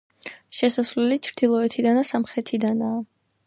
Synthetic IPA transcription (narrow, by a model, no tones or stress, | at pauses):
ʃɛsasvlɛlit͡ʃʰɾd̪̥ilˠɔɛt̪ʰid̪anasamχɾɛt̪ʰid̪anaː